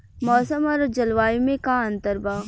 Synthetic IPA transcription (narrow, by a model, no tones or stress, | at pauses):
mɔːsəmɔɾd͡ʒɐlʋaːimẽkaɐ̃nt̪əɾbaː